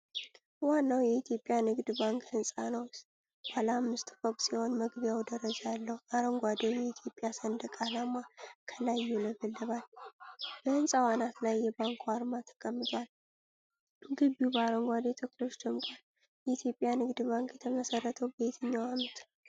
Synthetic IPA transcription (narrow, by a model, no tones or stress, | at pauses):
wanːawjɛit̪ʰjo̞pʼːjanɨɡd̪baŋkhɨnsʼanəws | b̥alːmːɨst̪ʼfokʼsiho̞nməɡbjawd̪əɾəd͡ʒalːəhuʔaɾəŋɡʷad̪ewjɛit̪ʰjo̞pʼjasənd̪əkʼalamakʰəlajːuləbəlːɨβal | bəhɨnsʼawanat̪lajːɛbaŋkʰwaɾmat̪ʰə̥kʼəmːɨt̪ʰʼwal | ɡɨβjubəaɾəŋɡʷad̪et̪ʰəklo̞t͡ʃd̪əmk̪ʼal | jɛit̪jo̞pʼjanɨɡd̪baŋkjɛt̪ʰəməsərːət̪ʰəwbet̪ʰɨɲːawamət̪ʰ